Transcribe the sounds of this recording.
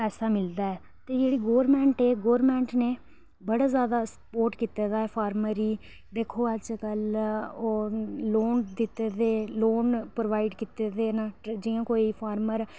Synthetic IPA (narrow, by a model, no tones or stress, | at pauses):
pɛːsaːmɪld̪aːɛː | t̪eːd͡ʒeːɽiːɡoːɾmɛ̃ːɳʈeːɡoːɾmɛ̃ːɳʈneː | bəɽaːzjaːd̪aːsə̥poːɾʈkiːt̪eːd̪aːɛːpʰaːɾməɾiː | d̪eːkʰoːət͡ʃkəloloːnd̪ɪt̪eːd̪eːloːnpɾoʋaːiɖkiːt̪eːd̪eːnãːd͡ʒiːãːkoːiːpʰaːɾməɾ